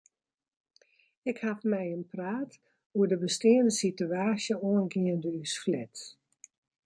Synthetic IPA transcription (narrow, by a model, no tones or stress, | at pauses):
ɪkhafmɛjənpraːt | uədəbəstɪəndəsityaːsjəuənɡɪəndəysflɛt